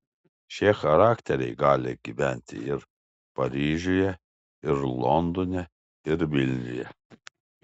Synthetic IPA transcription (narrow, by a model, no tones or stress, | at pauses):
ʃʲexɐɾaːkt̪ʲɛɾʲɛ̰ɪɡɑːlʲɪɡʲiʋʲænʲt̪ʲɪ̰ɪɾ | pɐɾʲiːʒʲujɛ | ɪɾlˠɔnd̪ɔnʲɛ | ɪɾʋʲɪlʲnʲʊ̰jɛ̰